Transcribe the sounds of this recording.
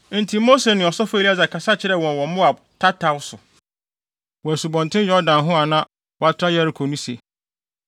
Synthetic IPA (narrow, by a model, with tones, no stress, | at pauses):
n̩˨tʰĩ˨˦mo˦se˨nɪ̃˨ɔ˨sɔ˦fæ˨li˦a˦˨d͡za˨kʰa˨sa˦t͡ɕʰɪ˦ɾɛ˦˨wɔ̃˨wɔ̃˨mʊ̃˦a˨b | tʰa˦tʰa˨wʊ˦sʊ˨ | wɔ˨æ˨su˨bɔ̃˨ntʰɪ̃˦njɔ˦dã˨nɦʊ̃˦a˨nã˦ | wɔ˨a˦tʰɾa˦jɛ˦ɾi˨kʰo˨nũ˦se˨